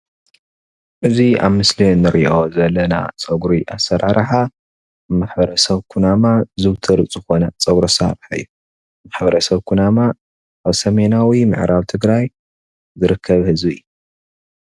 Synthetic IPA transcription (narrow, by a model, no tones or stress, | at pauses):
ʔɨzia̰βmɨslinɨɾʔiʔozɐlːɐna̰t͡sʼɐɡɾiʔa̰sːɐɾaɾħa | maħbɐɾɐsɐβkʰunamazɨβt̪ʰɨɾɨt͡sʼzɨxo̞nɐt͡sʼɐɡɾɐsɐa̰ɾħaɨjːu | maħbɐɾɐsɐβkʰunama | ʔaβsɐmenawimɨ̰ʕɾaβt̪ʰɨɡɾaj | zɨɾɨkʰːɐβhɨzbijːu